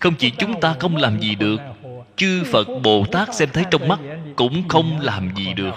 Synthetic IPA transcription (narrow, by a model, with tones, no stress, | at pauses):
xə˧wŋ͡mt͡ɕi˧˩t͡ɕʊ˨˦ŋ͡mt̪aː˧xə˧wŋ͡mlaː˨˩mzi˨˩ɗɨ˨˩ək̚ | t͡ɕɨ˧fə˨˩t̚ɓo˨˩t̪aː˦˥k̚sɛ˧mt̪ʰə˨˦jt͡ɕɔ˧wŋ͡mma˦˥k̚kʊ̰˧˥ŋ͡mxə˧wŋ͡mlaː˨˩mzi˨˩ɗɨ˨˩ək̚